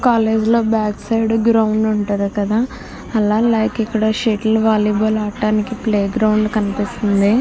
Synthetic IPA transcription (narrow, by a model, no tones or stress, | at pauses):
kaːle̞ːd͡ʒlo̞ːbjaːksɐjɖɡɾɐwɳɖuɳʈuɾakɐd̪aː | ɐlaːlaːkikːɐɽɐʃeːʈlʋaːliːbɐlaːʈːaːnikipleːɡɾɐwɳɖkɐnipist̪und̪i